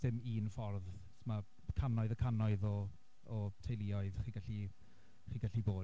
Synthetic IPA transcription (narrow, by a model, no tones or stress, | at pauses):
dɪmiːnfɔrð | tʰma | kʰanɔɨðɔkʰanɔɨðɔ | ɔtʰejlˠiɔɨðχiːɡaɬi | χiːɡaɬiboː